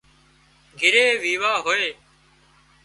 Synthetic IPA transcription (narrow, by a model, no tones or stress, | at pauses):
ɡʱɪɾeːʋiːʋaːɦoːeː